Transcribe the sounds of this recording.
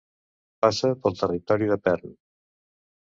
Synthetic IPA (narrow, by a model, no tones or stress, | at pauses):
pasəpəlˠt̪ərit̪ɔɾiðəpɛrn